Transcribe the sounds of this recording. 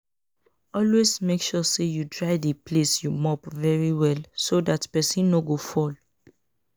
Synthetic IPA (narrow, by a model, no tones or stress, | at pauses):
ɔlwezmekʃɔsejudɹaɪdəpʰlesjumɔpvɛɹiwɛlsodatpɛsĩnːoɡofɔl